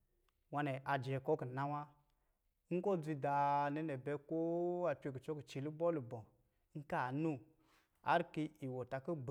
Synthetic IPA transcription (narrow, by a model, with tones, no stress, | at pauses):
wa˧ne˨ʔa˨d͡ʒe˨ko˦kə˨na˦wa˦ | ŋ̩˦ko˦˨d͡zi˧da˨ne˦ne˨bɛ˨˦ko˦a˨pʲʷe˨k̬ə˨t͡ʃo˦kə˨t͡ʃi˨lu˦bɔ˦lu˨bɔ˨˦ | ŋ̩˦ka˦˨nu˦ | a̰˨˦ɾki˧˦i˨wo˨ta˨kə˦b